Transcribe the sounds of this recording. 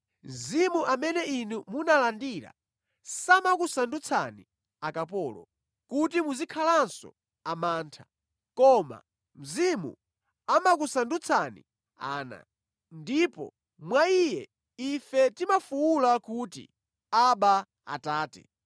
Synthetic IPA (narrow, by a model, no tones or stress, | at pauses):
m̩zimuʔamɛnɛinumunalandiɾa̰ | samakusandut͡sʰa̰ni | akapɔːlɔ̰ | kutimuzikʰalansɔ̰ | amaːntʰḁ | kɔma̰ | m̩zimṵ | amakusandut͡sʰanḭ | a̰ːna̰ | ndipɔ̰ | mwaijɛ | ifɛtimafuwulakutḭ | aɓa | a̰taːtɛ̰